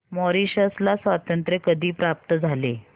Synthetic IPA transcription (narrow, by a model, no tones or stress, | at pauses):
mɔɾiɕəslasʋat̪ənt̪ɾəkəd̪ʱiːpɾap̚t̪əd͡zʱale